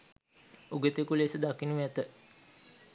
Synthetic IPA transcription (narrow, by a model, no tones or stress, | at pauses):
uɡət̪ekulesəd̪akinuʋæt̪ə